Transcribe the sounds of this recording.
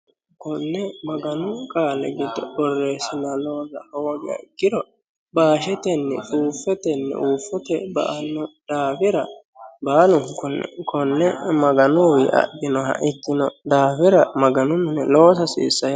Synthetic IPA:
kʊnːɛmɐɡɐnʊkʼaːlɛɡɪd̪ɔbɔrːeːsɪnɐlo̞ːzɐ̰howːɡɪjɐ̰ɪɡːɪɾɔ | baːʃɛt̪ɛnːɛ̰tʼuːfɛt̪ɛnːɛ̰ʔuːfːɔt̪ɛbɐ̰ʔɐnːɔd̪̥aːfɪɾɐ | baːlʊŋkʊn̰kʰɔnːɛmɐɡɐnʊwɪʔɐ̰d̪ɪnɔhɐ̰ʔɪt̪ːɪnɔd̪aːfɪɾɐmɐɡɐnʊnnɛlo̞ːsɐsḭːsːɐj

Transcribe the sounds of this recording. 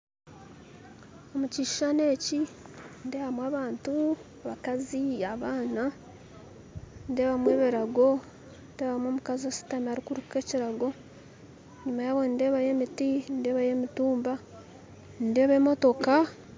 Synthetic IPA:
omuciʃi̥ʃane̞ːcindeːβamwaːβaːntuaβakaziaβaːna | nde̞ːβamwe̞βiɾaɡo̞ | ndeːβamwomukazosi̥tamaɾikuɾuke̞ːciɾaɡo̞ | ɲumajaβo̞nde̞ːβaje̞ːmitinde̞ːβaje̞ːmituːmba | nde̞ːβemo̞to̞ka

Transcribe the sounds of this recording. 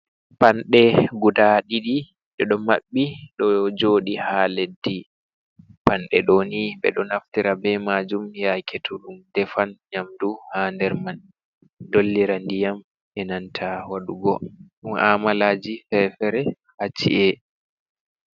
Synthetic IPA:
panɗɛɡudaɗiɗi | ɗɛɗɔmaɓːiɗɔd͡ʒoːɗihaledːi | panɗɛ̰ɗoniɓɛ̰ɗɔnaftiɾabɛmad͡ʒumjakʰetʰulumdɛfanɲamduhandɛɾman | dolːiɾandijam | ʔɛnantʰawaɗuɡɔɗumʔaːmalaːd͡ʒifɛfɛɾɛ | hat͡ʃːḭʔɛ

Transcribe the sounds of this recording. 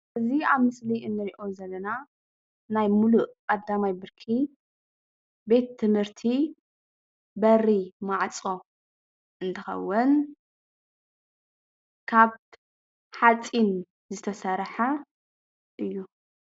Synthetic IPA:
ʔɨziaβmɨsliɨnːɨɾiʔo̞zɐlːɐna | najmuluʔkʼɐd̪amajbɨɾkʰi | be̞t̪ʰːɨmhɨɾt̪ʰi | bɐrimaʕt͡sʼo̞ | ʔɨnt̪ʰɨxɐ̰wːʊn | kʰaβ | ħat͡sʼin | zɨt̪ʰɐsɐɾħa | ʔɨjːu

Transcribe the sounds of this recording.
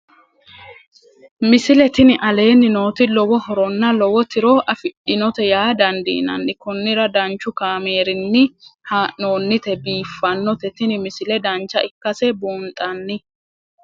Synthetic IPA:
mɪsɪlɛt̪ɪnɪʔɐle̞ːnːɪnoːt̪ɪlɔwɔhɔɾɔnːɐlɔwɔt̪ɪɾɔʔɐfɪɗːɪnɔt̪ɛjaːd̪ɐnd̪ḭːnɐ̰nːɪkʊnːɪɾɐd̪ɐnt͡ʃːʊkaːmeːɾɪnːɪhanoːnːɪt̪ɛbiːfːɐnːɔt̪ɛt̪ɪnɪmɪsɪlɛd̪ɐnt͡ʃːɐʔɪkːɐsɛboːnt̪ʼɐnːɪ

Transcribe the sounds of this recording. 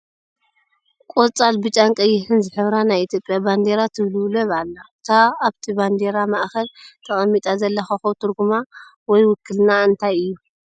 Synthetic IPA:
kʼot͡sʼalbɨt͡ʃʼaŋkʼɐjːɪħɨnzɨħɨβɾanajit̪ʰjo̞pʼjaband̪e̞ɾat̪ʰɨβlwlɐβalːaɨt̪ʰaːβt̪ʰiband̪e̞ɾamaʔxɐlt̪ʰɐχʼɐmːit̪ʼazɐlːɐxɐxot̪ʰɨɾɡuma | wɔjwʊkʰːɨlnaɨnt̪ʰajɨjːu

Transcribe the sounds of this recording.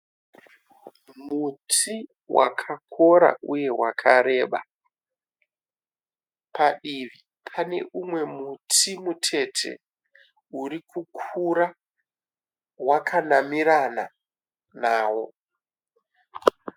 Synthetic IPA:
mutʰi | wa̰kʰakʰo̞ɾa̰ʔuje̞wakʰaɾe̞ːɓa̰ | paɗiʋi | pʰane̞̰ʔumwe̞mutʰimutʰe̞tʰe̞̰ | urikukʰuɾa | wakʰanamiɾana | naːwo̞

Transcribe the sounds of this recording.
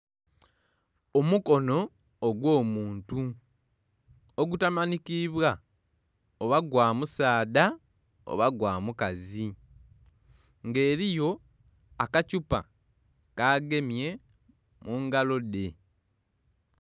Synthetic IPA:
omuko̞no̞ː | ɡwo̞ːmuːntu | oɡutamanikiβwa | oβaɡwaːmusaːda | o̞̰βaɡwaːmukazi | ŋɡe̞ːɾijo̞ | akacupa̰ | kaːɡe̞mje̞ | muːŋɡalo̞de̞

